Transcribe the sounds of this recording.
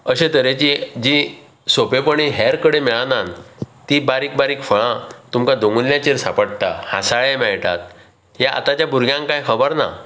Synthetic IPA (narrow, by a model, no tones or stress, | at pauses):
əɕẽt̪əɾet͡ɕid͡ʑi | sopepəɳiɦɛɾkəɽemɛɭanant̪ibaɾiːk̚baɾiːkfəɭãt̪umkad̪oŋɡunljat͡ɕeɾsapəɽt̪ahãsaɭemɛɭʈ̪a̰t̪̚ | ɦjaʔa̰t̪at͡ɕjabuɾɡjãŋkajkʰəbəɾna̰